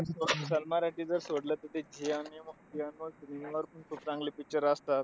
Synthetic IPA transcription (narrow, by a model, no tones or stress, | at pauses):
sosəlmaɾaʈiːd͡zəɾsoɽlət̪ət̪ed͡ʑianimukt̪ianosniŋaʋəɾpuɳsʰup̪t͡sãŋɡlipit͡ɕəɾəst̪at̪̚